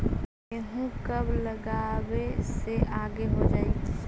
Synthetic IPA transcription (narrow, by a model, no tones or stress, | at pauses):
eɦũkɐblɐɡaːweseʔaːɡeɦod͡ʒaːe